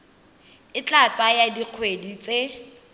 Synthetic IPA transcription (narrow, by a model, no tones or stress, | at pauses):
ɪt͡ɬʼat͡sajadiq͡χʰwedit͡se